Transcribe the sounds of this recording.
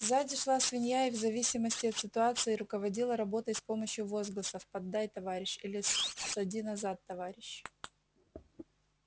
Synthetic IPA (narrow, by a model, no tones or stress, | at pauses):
zadʲɪʂlˠasvʲɪnʲjajɪvzɐvʲisʲɪməsʲtʲɪɐt̪sʲɪt̪ʊat̪sɨɪɾʊkəvɐdʲilˠəɾɐbo̞t̪əjspo̞məɕjʊvo̞zɡlˠəsəfpɐd̪ːajt̪ɐvaɾʲɪɕilʲɪsɐdʲinɐzat̪ːɐvaɾʲɪɕ